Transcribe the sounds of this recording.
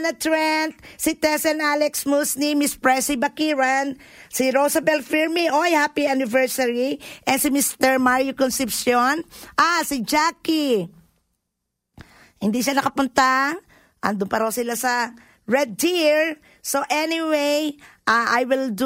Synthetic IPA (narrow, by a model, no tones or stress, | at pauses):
nɐt̪ɹɛnt̪̚sit̪ɛsɛnalɛksmusnimispɹɛsibɐkiɹan | siɾosɐbɛlfiɹmiʔojhapianɪvɛɹsɐɹiʔɛnsɪmist̪ɛɹmaɹjʊkɔnsɪpsjonʔasɪd͡ʒaki | hɪnd̪iʃanɐkɐpʊnt̪a | ʔɐ̰nd̪ʊmpɐɾɐwsɪlasɐ | ɹɛd̪̚ːiɹ | soʔɛniwejʔaʔajwɪld̪